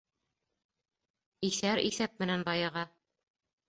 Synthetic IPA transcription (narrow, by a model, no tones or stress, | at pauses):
iθæɾʔḭθæp̚mɘ̆nænbɑjɑʁɑ